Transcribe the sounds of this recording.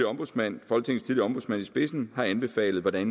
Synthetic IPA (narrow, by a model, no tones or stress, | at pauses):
iɒ̽mb̥uðˠsmæn̰fɒ̽l̰ɡ̥̚t͡sʰe̝ŋst͡sʰiðˠliɒ̽mb̥usmænisb̥e̝sn̩hɑ̈ænb̥e̝fɛ̰ːlð̩ˠʋɒd̥æn